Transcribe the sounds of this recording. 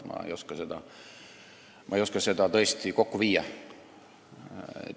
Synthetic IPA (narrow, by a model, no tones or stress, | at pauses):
mɑ̰ḛjo̞skɑse̞d̪̥ɑ | mʔɑ̰ejoskɑse̞d̪̥ɑt̪ɤ̞est̪iko̞kːuviːjɑ